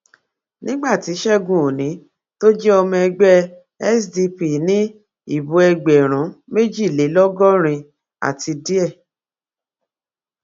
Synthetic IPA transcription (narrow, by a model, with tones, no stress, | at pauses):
nĩ˦ɡ͡ba˦˨ti˨˦ʃɛ˦ɡũ˨o˨nĩ˨˦ | to˦d͡ʒɛ˦ɔ˧mɔ̃˧ɛ˧ɡ͡bɛ˦ | ɛ˦sdi˧pi˨nĩ˦ | i˦˨bũ˨˦ɛ˧ɡ͡bɛ˨ɾ̃ũ˨˦me˦d͡ʒi˦˨le˨˦lɔ˦ɡɔ˦ɾ̃ĩ˧ | a̰˦˨ti˧di˦ɛ˦˨